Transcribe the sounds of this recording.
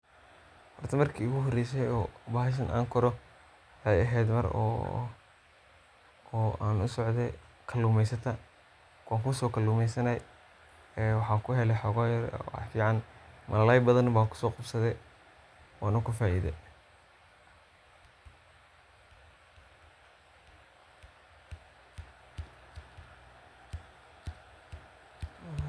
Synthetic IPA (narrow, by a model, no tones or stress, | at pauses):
hɔrt̪ʰɐmɐrkʰiːʊɣʊɦɔrɛjs̬ɛjɔːbaːhɪs̬ɐnʔa̰ːŋkʰɔɾɔ | ajɐɦɛːd̪mɐ̰ɾɔ̰ː | aːnʊsɔʕd̪ɛ | kʰɐlːuːmɛjsɐt̪ʰɐ | aːŋkʰʊsɔːkʰɐluːmɛjsɐnɐj | ɛːwɑħɑːkʰʊɦɛlɛħɔːɣɔːjɐɾ̰fiːʕɑnmʔɐlɐlɐjbɐðɐnbaːkʰʊ̥sɔːqɑbsɐðɛ | wɑːnɐkʰʊfaːʔḭðɛ̰